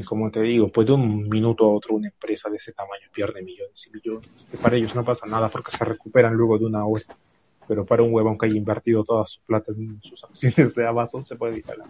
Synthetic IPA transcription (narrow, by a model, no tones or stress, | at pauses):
ko̞mot̪e̞ðiɣo̞pwe̞zd̪eunmĩnut̪oao̞t̪ɾounaempɾe̞saðeese̞t̪amãɲo̞pje̞ɾnemiʝo̞nesimiʝonesepaɾae̞ʝo̞zno̞pasanaðapo̞ɾkese̞re̞kupe̞ɾanlwe̞ɣ̞o̞ðeunao̞ɾa | pe̞ɾo̞paɾauŋwe̞βoaŋkeaʝimbe̞ɾt̪iðo̞t̪o̞ðasu̥splat̪asusaksjo̞ne̞zðeaβasosepweðeiɾa̰la